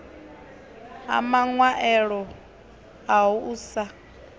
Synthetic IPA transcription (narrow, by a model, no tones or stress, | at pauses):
a̰maŋwaʔɛɺɔ | aɦuʔuːsa